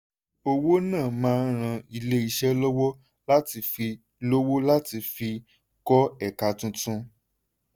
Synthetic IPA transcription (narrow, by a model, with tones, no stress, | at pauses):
o˧wo˦nãː˦˨mãː˦˧˦ɾ̃ã˧i˧le˦i˧ʃɛ˦lɔ˦wɔ˦ | la˦ti˨˧fi˧ | lo˦wo˦la˦ti˧fi˧ | kɔ˦ɛ˦˨ka˨tũ˧˦tũ˧